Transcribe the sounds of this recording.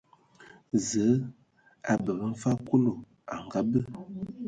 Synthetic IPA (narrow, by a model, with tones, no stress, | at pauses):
zə˨˦ | a̰˨bə˨bə˦m̩˦fa˦ko˦lo˨ | a˨ŋ˨ɡa˦bə˦